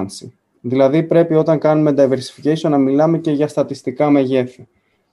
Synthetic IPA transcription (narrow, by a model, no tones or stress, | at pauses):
nsi | ðilɐðipɾe̞pio̞t̪ɐŋkɐnume̞nd̪ɐiveɾsi̥ficesonɐmilɐme̞ce̞ʝɐst̪ɐt̪ist̪ikɐme̞ʝe̞fi